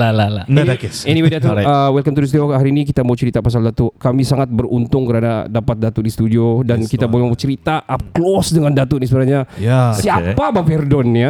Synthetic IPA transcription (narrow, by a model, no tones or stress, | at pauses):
lalalaksɛniwedat̪əəwɛlkamt̪udist̪uohaɾiːnikit̪amaut͡ʃəɾit̪apas̬aldat̪ukamisaŋat̪̚bərunt̪ʊŋkəɾana̰dapat̪̚dat̪udist̪udiodankit̪abamaut͡ʃəɾit̪aʔap̚klɔsdəŋandat̪unisəbənaɲajasiappabafɛrdɔna